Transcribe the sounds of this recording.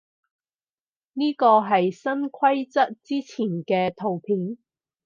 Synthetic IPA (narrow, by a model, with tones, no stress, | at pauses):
niː˥kɔː˧ɦɐ˨jsɐ˥nkʷʰɐ˥jt͡sɐ˥t̚t͡siː˥t͡sʰiː˨˩nkɛː˧t̪ʰo˨˩wpʰiː˨˥n